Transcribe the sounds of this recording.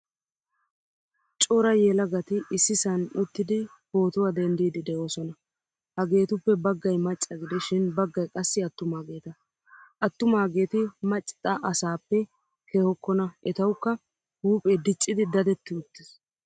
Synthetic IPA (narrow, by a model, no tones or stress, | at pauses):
t͡ʃʼɔɾɐjɛlɐɡɐt̪ɪɪsːɪsɐnʊt̪ːɪd̪ɪ | ho̞ːt̪ʊwad̪ɛnd̪iːd̪ɪd̪ɛʔoːsɔnɐ | hɐɡe̞ːt̪ʊpːɛbɐɡːɐjmɐt͡ʃʼːɐɡɪd̪ɛʃɪnbɐɡːɐjkʼɐsːɪɐt̪ːʊmaːɡe̞ːt̪ɐ | ʔɐt̪ːʊmaːɡe̞ːt̪ɪmɐt͡ʃʼːɪ̥t̪ʼɐʔɐsaːpːɛ | kʰehɔkːɔnɐʔɛt̪ɐwkːɐ | huːpʼed̪ɪt͡ʃʼːɪd̪ɪd̪ɐd̪ɛt̪ːɪʊt̪ːɪs